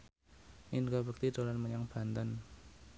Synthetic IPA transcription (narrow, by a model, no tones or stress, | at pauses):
ʔinɡabək̚t̪id̪̥olanməɲaŋb̥a̤nt̪ən